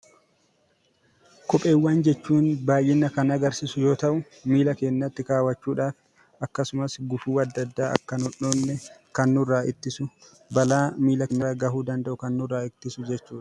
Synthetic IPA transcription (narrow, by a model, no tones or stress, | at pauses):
kɔpʼe̞ːwːaːnd͡ʒɛt͡ʃːuːnbaːjɪnːɐkɐnɐɡɐɾsiːsʊjo̞ːt̪ɐʔʊ | miːlɐke̞ːnːɐt̪ːɪkaːwɐt͡ʃːuːᶑaːf | ɐkːɐsʊmɐsɡʊfuːɐd̪ːɐd̪ːaːɐ̰kːɐnɔnːoːnːɛkɐnːʊrːaːʔɪt̪ːɪsʊ | bɐlaːmiːlɐnːɐɐɡɐhuːd̪ɐnd̪ɐʔʊkɐnːʊrːaːɪt̪ːɪsʊd͡ʒɛt͡ʃːuːᶑɐ̥